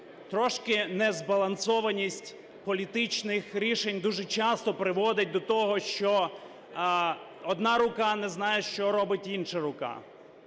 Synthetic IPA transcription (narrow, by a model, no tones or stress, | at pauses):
t̪ɾɔʃkɪnɛzbɐlˠɐnsɔʋɐnʲisʲtʲ | pɔlʲit̪ɪt͡ʃnɪxɾʲiʃenʲd̪uʒɛt͡ʃɑst̪ɔpɾɪʋɔd̪ɪt̚ʲd̪ɔt̪ɔɦɔʃt͡ʃɔ | ɔd̪nɑɾʊkɑnɛznɑjeʃt͡ʃɔɾɔbɪtʲinʃɐɾʊkɑ̰